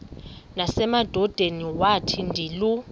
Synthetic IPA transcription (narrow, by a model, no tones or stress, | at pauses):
nasɛmad̥ʱɔd̥ʱeniwatʰindʱiːlu